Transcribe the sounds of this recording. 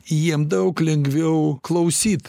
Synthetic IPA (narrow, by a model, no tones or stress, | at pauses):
jiɛmd̪ɐʊklʲɛŋɡʲʋʲɛʊklˠɐʊsʲiːt̪